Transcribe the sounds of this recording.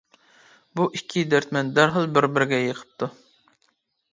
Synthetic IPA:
buʔikʲʰːid̪ɛɾt̪mɛnd̪æɾɦəlˠbɪɾbɪɾɡʲɛjəqʰə̥p̚t̪ʰu

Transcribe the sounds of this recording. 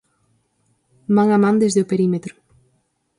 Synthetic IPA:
mãŋamãnd̪ezðeopeɾimet̪ɾʊ̥

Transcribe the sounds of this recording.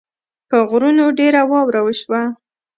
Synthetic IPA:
pəɣɾunoɖeɾawɑwɾawəʃwa

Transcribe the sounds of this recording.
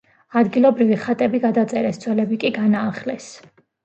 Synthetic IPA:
ad̪ɡilˠɔbɾiviχat̪ʼɛbiɡad̪at̪sʼɛɾɛsd̪z̥wɛlɛbikʼiɡanaːχlɛs

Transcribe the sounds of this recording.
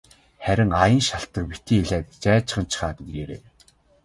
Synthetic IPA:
χæɾʲɪ̆ŋajə̆nʃaɬt̪ə̆k̚pit̪iːŋiɮæːt̪t͡ɕæːt͡ɕɪ̆χə̆nt͡ɕʰχaːt̪ŋɾeɾḛː

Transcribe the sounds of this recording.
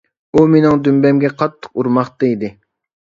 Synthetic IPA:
umenɪŋd̪ymbɛmɡʲɛqʰɑt̪ʰːə̥quɾmɑχt̪eid̪ɪ

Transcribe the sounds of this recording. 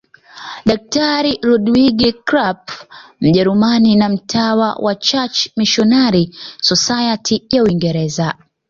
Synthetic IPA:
ɗak̚taɾiɾuɗwiɡikɾapm̩ʄɛɾumaninam̩tʰawa̰wʔat͡ʃat͡ʃmiʃɔnaɾisɔsajatʰijauiŋɡɛɾɛza

